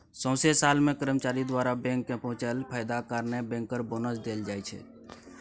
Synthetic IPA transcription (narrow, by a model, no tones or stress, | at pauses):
sə̃ʊ̃sesaːlmẽkəɾəmt͡ʃaːɾid̪waɾabɛ̃ŋkːẽpəɦʊ̃t͡ʃəlpʰaːɪd̪akaɾnebɛ̃ːŋkːəɾbonəsd̪eːld͡ʒaːɛt͡ʃʰɛ̰